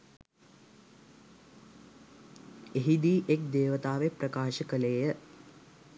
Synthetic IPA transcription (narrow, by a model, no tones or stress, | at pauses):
eɦid̪iːʔek̚d̪eːʋət̪aːʋeprɐkaːʃəkəleːjə